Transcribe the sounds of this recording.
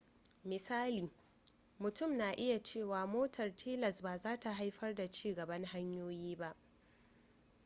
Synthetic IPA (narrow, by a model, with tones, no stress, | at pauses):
mɪ˨saː˦liː˨ | mʊ˨tʊ˦˨mnaː˨ʔɪ˦ja˨t͡ʃeː˦˨waː˨moː˦tʰɐ˨rtʰeː˦lɐ˨sbaː˨zaː˦ta˨ɦa˦jɸɐ˦rda˨t͡ʃiː˦ɡɐ˨bɐ˦ŋɦa˦ɲjoː˦jiː˦ba˦ʔ